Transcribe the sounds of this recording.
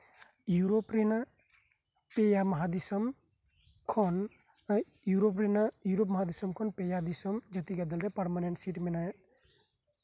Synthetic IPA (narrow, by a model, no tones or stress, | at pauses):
juɾopɾena | pejamɐɦad̪isɔm | kʰɔn | juɾop̬ɾenajuɾop̬mɐɦad̪isɔmkʰɔnpejad̪isɔmd͡ʒɐt̪iɡad̪ɐlɾepɐɾmaneɳʈsiʈmenaj